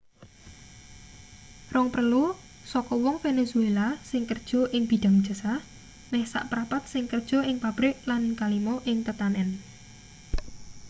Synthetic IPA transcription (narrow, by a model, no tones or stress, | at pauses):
rɔŋprəlu | sɔkɔwɔŋfenesuelasɪŋkərd̥ʒ̥ɔ̤ʔɪŋb̥i̤ɖ̥a̤ŋd̥ʒ̥ə̤sa | nɛhsa̰ʔpɾapat̪̚sɪŋkərd̥ʒ̥ɔ̤ʔɪŋpab̥ɾɪʔlanŋkalimɔʔɪŋt̪ət̪anɛn